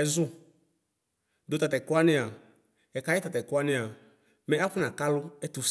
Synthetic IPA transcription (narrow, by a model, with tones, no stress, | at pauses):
ɛ˨zʊ˦ | dʊ˨ta˨tɛ˨kʊ˦a˦nɪ̃˨a˨ | ɛ˨ka˨˦jɪ˦t̪a˨tɛ˨kʊ˦a˦nɪ̃˨a˨ | mɛ̃˦a˦ɸʊ˦nã˨ka˦lʊ˦ɛ˦t̪u˨s